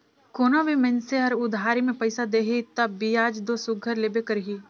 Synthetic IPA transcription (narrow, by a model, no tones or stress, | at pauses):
koːnabʱimɐ̃nseɦɐɾʊd̪aːɾimẽpɐɪsad̪eːɦit̪ɐbːiaːd͡ʒd̪osʊɡʱəɾleːbekɐɾɦiː